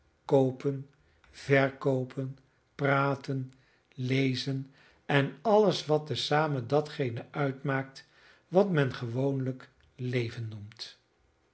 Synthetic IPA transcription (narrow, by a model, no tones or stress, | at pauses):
kowpən | v̥ɛɹkowpʰən | praːtən | lejzən | ɛnɑləsʋɑt̚əsaːmədɑtχejnəʔœɥtmaːk̚t | ʋɑtmɛnχəʋownlək | lejvənːumt